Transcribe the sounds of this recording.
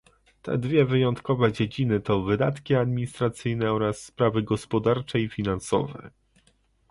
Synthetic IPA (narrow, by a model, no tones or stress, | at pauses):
t̪ɛ̰d̪vʲjɛvɘjɔnt̪kɔvɛd͡ʑed͡ʑinɘt̪ɔvɘd̪at̪kʲiad̪mʲiɲist̪ɾat̪sɘjnɛɔɾasːpɾavɘɡɔspɔd̪aɾt͡ʂɛifʲinansɔ̰vɛ̰